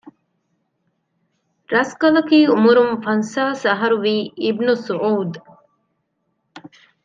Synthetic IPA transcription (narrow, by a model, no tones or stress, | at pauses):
ɾɐskɐlɐkiːumuɾumfɐnsaːsɐɦɐɾuʋiːibnusuʕuːd̪